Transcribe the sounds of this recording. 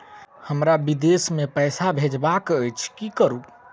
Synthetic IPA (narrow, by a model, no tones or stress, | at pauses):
həmɾabid̪esmepəjsabʱed͡ʒbakəjt͡ʃʰkikəɾu